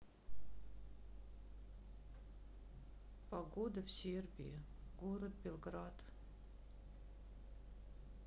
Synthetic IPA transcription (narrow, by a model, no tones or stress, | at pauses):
pɐɡod̪əfsʲerbʲḭɪɡoɾət̪̚bʲelˠɡrat̪